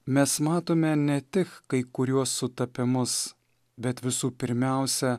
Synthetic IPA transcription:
mʲɛsmɑːt̪oːmʲɛnʲɛt̪ʲɪkkːɐɪkʊɾʲuɔsːʊt̪ɐpʲɪmʊs | bʲɛt̪ʋʲɪsuːpʲɪɾʲmʲæˑʊsʲɛ

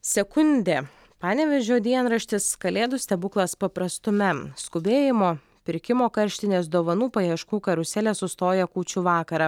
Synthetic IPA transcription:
sʲɛkʊnʲd̪ʲeː | pɑːnʲɛʋʲɛʒʲoːd̪ʲiɛnɾɐʃʲt̪ʲɪskɐlʲeːd̪ʊsʲt̪ʲɛbʊklˠɐspɐpɾɐst̪ʊmʲɛskʊbʲeːjɪmoː | pʲɪɾʲkʲɪmoːkɐɾʲʃʲt̪ʲɪnʲeːsd̪oːʋɐnuːpɐjɛʃkuːkɐɾʊsʲɛːlʲesʊst̪oːjɛkuːt͡ʃʲʊʋɑːkɐɾɑː

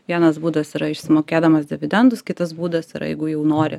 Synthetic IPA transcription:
ʋʲiɛnɐsbuːd̪ɐsiɾɐɪʃʲsʲɪmoːkʲeːd̪ɐmɐsd̪ʲɛʋʲɪd̪ʲɛnd̪ʊskʲɪt̪ɐs̬buːd̪ɐsɪɾɐ̰jɛ̰ɪɡʊjɛʊnoːɾʲɪ

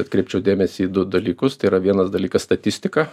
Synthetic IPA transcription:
ɛɐt̪kɾʲɛɪp̚ʲt͡ʃʲɛʊd̪ʲeːmʲɛsʲiːd̪ʊd̪ɐlʲiːkʊst̪ɐɪiːɾɐʋʲiɛnɐsd̪ɐlʲiːkɐst̪ɐt̪ʲɪsʲt̪ʲɪkɑ

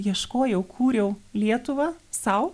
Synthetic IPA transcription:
jiɛʃkoːjɛʊkʰuːɾʲɛʊlʲiɛt̪ʊʋɐsɐʊ

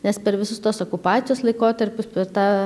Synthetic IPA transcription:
nʲɛspʲɛɾʋʲɪsʊst̪oːsoːkʊpɑːt͡s̪ʲɪjoːslˠɐɪkoːt̪ɐɾʲpʲʊspʲɛrt̪ɑː

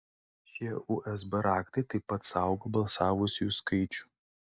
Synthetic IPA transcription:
ʃʲiɛuʔɛsbɐɾɑːkt̪ɐɪt̪ɐɪpːɐt̪sɑˑʊɡobɐlˠsɑːʋʊsʲʊuskɐɪt͡ʃʲu̥ˑ

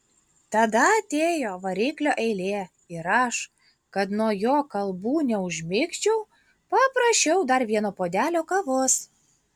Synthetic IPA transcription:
t̪ɐd̪ɐɐt̪ʲeːjoːʋɐɾʲiːklʲoːʔɛɪlʲeː | ɪɾɐʃ | kɐt̪nuɔjoːkɐlˠbuːnʲɛʊʒʲmʲɪksʲt͡ʃʲɛʊ | pɐpɾɐʃʲɛʊd̪ɐɾʋʲiɛnoːpoːd̪ʲæːlʲoːkɐʋʊs

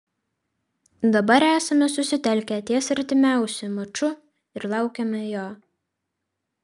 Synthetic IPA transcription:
d̪ɐbɐɾæːsɐmʲɛsʊsʲɪt̪ʲɛlʲkʲɛt̪ʲiɛsɐɾʲt̪ʲɪmʲæˑʊsʲʊmɐt͡ʃʊ | ɪɾlˠɑˑʊkʲɛmʲɛjoː

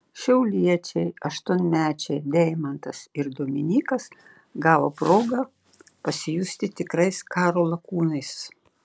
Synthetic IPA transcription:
ʃʲɛʊlʲiɛt͡ʃʲɛɪɐʃt̪ʊnʲmʲæːt͡ʃʲɛɪd̪ʲɛɪmɐnt̪ɐsɪɾd̪oːmʲɪnʲiːkɐs | ɡɑːʋopɾoːɡɐ | pɐsʲɪjʊsʲt̪ʲɪt̪ʲɪkɾɐɪskɑːɾoːlˠɐkuːnɐɪs

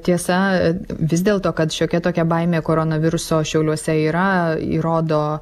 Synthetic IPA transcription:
t̪ʲiɛsɐʋʲɪzd̪ʲeːlˠt̪oːkɐt̪ʃʲoːkʲɛt̪oːkʲɛbɐɪmʲeːkoːɾoːnɐʋʲɪɾʊsoːʃʲɛʊlʲuɔsʲɛiːɾɐḭːɾoːd̪oː

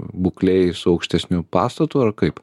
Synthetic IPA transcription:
buklʲɛɪsʊɐʊkʃʲt̪ʲɛsʲnʲupɑːst̪ɐt̪uːɐrkɐɪp

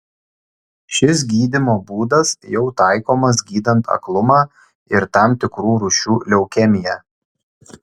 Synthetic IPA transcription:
ʃʲɪs̬ɡʲiːd̪ʲɪmoːbuːd̪ɐsjɛʊt̪ɑˑɪkoːmɐsɡʲiːd̪ɐnt̪ʰɐ̰klˠʊmɑː | ɪɾt̪ɑˑmt̪ʲɪkɾuːɾʊʃʲuːlʲɛʊkʲɛmʲɪjɛː

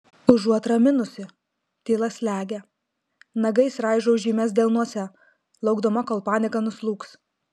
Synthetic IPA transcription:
ʊʒuɔt̪ɾɐmʲɪnʊsʲɪ | t̪ʲiːlˠɐsʲlʲæːɡʲɛ | nɐɡɐɪsɾɑˑɪʒoʊʒʲiːmʲɛs̬d̪ʲeːlˠnuɔsʲɛ | lˠɐʊɡd̪omɐkoːlˠpɑːnʲɪkɐnʊslˠuːks

